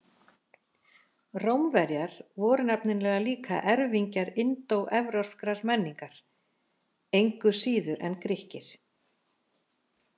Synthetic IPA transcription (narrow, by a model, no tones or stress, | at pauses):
rowmvɛɾjaɾ̥vɔːɾʏnapnɪnlɛːɣaliːkʰa̰ʔɛɾviɲcaɾɪnt̪owɛvɾaskɾaɾmɛnːiŋkaɾ̥ | ejŋkʏsiːðʏɾʔɛ̰nkɾɪhcɪɾ̥